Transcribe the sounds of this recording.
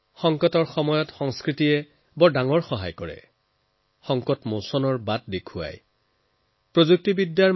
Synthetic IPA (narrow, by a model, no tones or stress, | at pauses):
xɔŋkɔtɔɹxɔmɔjɔtxɔŋskɹitiɛ | bɔdaŋɔɹxɔɦa̰jkɔɹɛ̰ | xɔŋkɔtmosɔnɔɹbat̚dekʰua̰j | pɹozuk̚tibidːjaɹ